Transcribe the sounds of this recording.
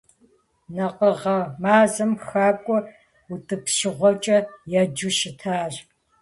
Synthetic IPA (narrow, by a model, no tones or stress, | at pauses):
nɐqəʁɐmaːzɨmxaːkʷʼɔ | utʼɨpʃɪʁʷɔt͡ʃʼɐjad͡ʒuʃɪtʰaːɮ